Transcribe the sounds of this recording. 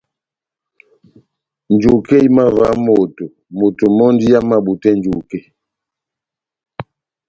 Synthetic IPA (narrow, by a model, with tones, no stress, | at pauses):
n˨d͡ʒu˨ke˦i˦ma˦va˨˦mo˨to˨ | mo˨to˨mɔ˦ndi˦ja˦ma˦ɓu˨tɛ˦nd͡ʒu˨ke˦